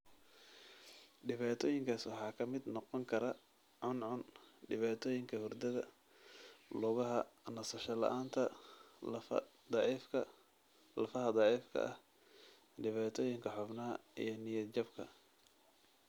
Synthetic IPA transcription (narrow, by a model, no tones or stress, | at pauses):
ɖɪβaːt̪ʰɔːjɪŋkʰaːswɑħɑːkʰɐmɪd̪nɔqɔŋkʰɐɾɐ | ʕʊnʕʊnɖɪβaːt̪ʰɔːjɪŋkʰɐhʊrd̪ɐðɐ | lʊɣɐɦɐnɐsɐʃɐlɐ̰ʔaːnt̪ʰɐ | d̪ɑʕiːfkʰɐ | lɐfɐɦɐd̪ɑːʕiːfkʰɐ̰ʔɐh | ɖɪβaːt̪ʰɔːjɪŋkʰɐħʊbnɐɦɐḭjɞnɪjɐd͡ʒɐbkʰɐ̰